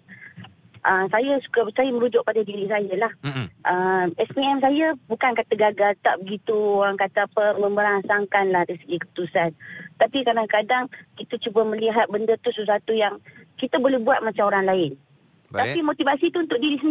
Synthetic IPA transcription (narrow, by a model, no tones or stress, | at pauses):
ʔəsajasu̥kasajaməɾud͡ʒʊʔ̚padadiɾisajalahʔəmɛspiɛmsajabukankat̪aɡaɡalt̪a̰ʔbəɡit̪uoɾaŋkat̪aapəmə̃mbəɾansaŋkanlahɾisəɡikəpu̥t̪usant̪apikardaŋkadaŋkit̪at͡ʃubaməliɦat̪̚bəndət̪usəsuat̪ujaŋkit̪abolɛhbuat̪̚mat͡ʃamoɾaŋlaɪn | t̪apimot̪ivasit̪uunt̪ʊk̚ʔ̚diɾisən